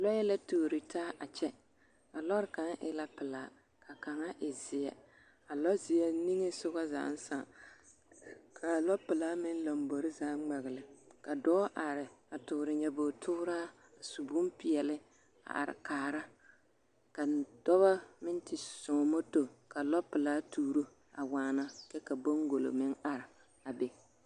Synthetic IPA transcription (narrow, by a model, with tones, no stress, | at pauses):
lɔ˦jɛ˦la˦tu˨ɾi˨taː˦ʔa˨t͡ʃɛ˦ | a˨lɔ˦ɾka˨˦ŋʔɪ̰˦la˦pɪ˨la˨ | kʰa˨ka˨ŋa˦ʔɪ˨zɪ˨jɛ̰˨ | a˨lɔ˦zɪ˨jɛ˦ni˦ŋe˦sʊ˦ɣa˦za̰ː˨˦n̩˦sa̰˨ŋ | kʰa˨lɔ˦pɪ˨la˦mɪ˦n˦lo˨mbo˨ɾɪ˦zaː˦ŋ͡ma˨ɣɪ˨lɪ˨ka˨dɔː˦ʔa˨ɾɪ˨a˨tʊ˨ɾɪ˨ɲɛ˨bo˨tʰʊ˦ʊ˦ɾa˦ | a˨su˨bu˦mpɪ˨ɛ˨lɪ˦ | a̰˨ʔa̰˨ɾɪ̰˨kaː˨ɾa˦ | ka˨d̥ɔ˦ba˦mɪ˦n˦tɪ˨sɔ˨mo˦to˨ka˨lɔ˦pɪ˨laː˦tuː˦ɾo˦ | a˨waː˨na˦kɛ˦ka˨bo˦ŋɡo˨lo̰˨mɪ˦ŋa˨ɾɪ˨ | a˨be˨